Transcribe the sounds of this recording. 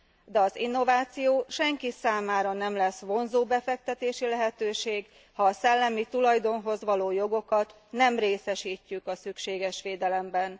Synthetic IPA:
d̪ɛɒzḭnːo̞vaːt̪sijoːʃɛŋkisaːmaːɾɒnɛmlɛsʋo̞nzoːbɛfɛk̚t̪ɛt̪eːʃilɛɦɛt̪øːʃeːɡ | hɒːsɛlːɛmit̪ulɒjd̪o̞nɦo̞zʋɒloːjo̞ɡo̞kɒt̪ | nɛmreːsɛʃiːcːykɒsykʃeːɡɛʃʋeːd̪ɛlɛmbɛn

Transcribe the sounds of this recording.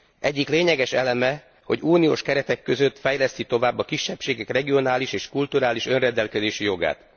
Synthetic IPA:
ʔɛɟːikleːɲɛɡɛʃɛlɛmɛ | ho̞ɟuːnijoːʃkɛɾɛt̪ɛkːø̞zø̞t̪fɛjlɛst̪it̪o̞vaːbːɒkiʃːɛpʃeːɡɛkrɛɡio̞naːliʃeːʃkult̪uɾaːliʃø̞nrɛnd̪ɛlkɛzeːʃijo̞ɡa̰ːt̪

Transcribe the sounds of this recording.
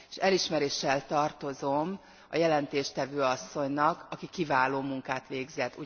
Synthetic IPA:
ʃɛliʃmɛɾeːʃːɛlt̪ɒrt̪o̞zo̞m | ɒ̰jɛlɛnt̪eːʃt̪ɛvøːɒsːo̞ɲnɒkɒkikivaːloːmuŋkaːt̪ʋeːɡzɛt̪ːu

